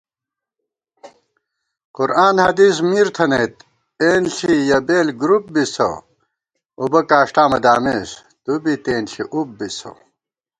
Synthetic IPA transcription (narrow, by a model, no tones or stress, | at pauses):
quɾaːnhɐd̪ismiːɾt̪ʰɐneːt̪ | eːnɬijɐbeːlɡɾup̚bisɐ̰ | ubɐkaːʂʈaːmɐd̪aːmeːs | t̪ubit̪eːnɬiʔup̚bisɐ̰